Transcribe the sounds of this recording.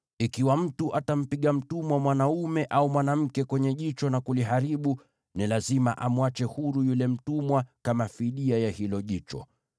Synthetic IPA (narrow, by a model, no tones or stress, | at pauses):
ikiwam̩tuʔatam̩piɠam̩tumwamwanaumɛʔaumwanam̩kɛkwɛɲɛʄit͡ʃɔnakuliɦaɾiɓu | nilazima̰ʔamuat͡ʃɛhuɾujulɛm̩tumwakamafiɗiajahilɔʄit͡ʃɔ̰